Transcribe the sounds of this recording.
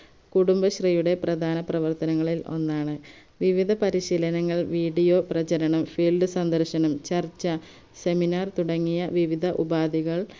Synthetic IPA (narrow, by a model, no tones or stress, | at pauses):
kuɽumbɐɕrijuɽe̞prɐd̪ʱaːnɐprɐʋɐrt̪ɐnɐŋːɐɭilo̞̰nːaːɳɨ | ʋiʋid̪ʱɐpɐɾiɕiːlɐnɐŋːɐɭʋiːɖijo̞ːprɐt͡ɕɐɾɐɳɐmfilɖɨsɐnd̪ɐrɕɐnɐmt͡ɕɐrt͡ɕːɐ | se̞minaːrt̪uɽɐŋːijɐʋiʋid̪ʱɐʔubaːd̪ʱiɣɐɭ